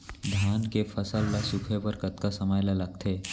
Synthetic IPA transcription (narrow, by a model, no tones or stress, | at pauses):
d̪ʱankefəsəlːasukʰeʋəɾkət̪kasəmajlalaɡ̚t̪ʰe